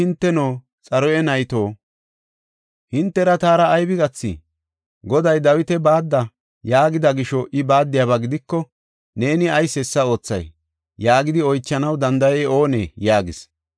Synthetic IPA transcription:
ɪnt̪ːɛnoː | t͡sʼɐɾɔɛnɐjt̪o̞ː | hɪnt̪ːɛɾɐt̪aːɾɐːjbɪɡɐt͡sːɪ̰ | ɡɔd̪ɐjd̪ɐwɪt̪ɛbaːd̪ːɐ | jaːɡɪd̪ɐɡɪʃɔʔɪbaːd̪ːɪjaːβɐɡɪd̪ɪkːɔ | ne̞ːnɪɐjsɛsːɐo̞ːt͡sːɐ̰j | jaːɡɪd̪ɪɔjt͡ʃːɐnɐwd̪ɐnd̪ɐjɛo̞ːnḛːjaːɡɪ̰s

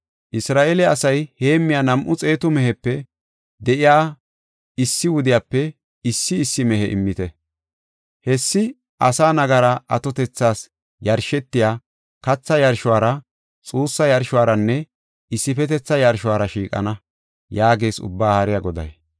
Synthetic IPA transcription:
ʔɪsɾaːʔelɛɐsɐjhe̞ːmːɪjaːnɐmʔʊt͡sʼe̞ːt̪ʊmɛɦɛpːɛ | d̪ɛʔɪjaː | ɪsːɪwʊd̪ɪjaːpːɛ | ɪsːɪɪsːɪmɛhɛʔɪ̰mːɪt̪ɛ | hɛsːɪ | ʔɐsaːnɐɡɐɾɐɐt̪ɔt̪ɛt͡sːaːs | jɐɾʃɛt̪ːɪjaː | kɐt͡sːɐjɐɾʃʊwaːɾɐ | t͡sʼuːsːɐjɐɾʃʊwaːɾɐnːɛ | ɪsːɪfɛt̪ɛt͡sːɐjɐɾʃʊwaːɾɐʃiːkʼɐ̰nɐ | jaːɡe̞ːsʊ̰bːaːhaɾɪjaɡɔd̪ɐ̰j

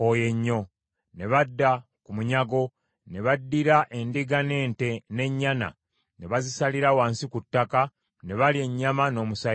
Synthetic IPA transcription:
oje̞ɲːo̞ | ne̞βadːa | kumuɲaɡo̞ | ne̞βadːiɾaʔe̞ndiɡane̞ːnte̞ne̞ɲːana̰ | ne̞βazisaliɾawaːnsikutːaka | ne̞βalie̞ɲːamano̞ːmusa

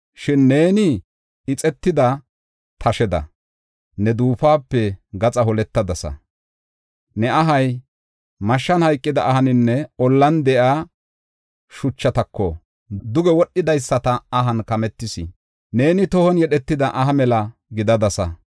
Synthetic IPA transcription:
ʃɪnːe̞ːnɪ | ɪt͡sʼɛt̪ːɪd̪ɐ | t̪ʰɐʃɛd̪ɐ̰ | nɛd̪uːfaːpːɛɡɐt͡sʼɐɦɔlɛt̪ːɐd̪ɐsɐ̰ | nɛɐɦɐj | mɐʃːɐnhɐjkʼːɪd̪ɐʔːhɐnɪnːɛɔlːɐnd̪ɛʔaː | ʃʊt͡ʃːɐt̪ɐkːɔ | d̪ʊɡɛwɔɗːɪd̪ɐjsːɐt̪ɐːɦɐnkɐmɛt̪ːɪsɪ | ne̞ːnɪt̪ɔhɔnjɛɗɛt̪ːɪd̪ɐʔɐɦɐmɛlɐɡɪd̪ɐd̪ɐsɐ̰

